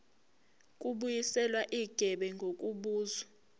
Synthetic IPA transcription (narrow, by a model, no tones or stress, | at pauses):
kʼuɓujisɛlwaʔiɡ̥ʱɛɓɛŋɡʱok̬ʼuɓuːza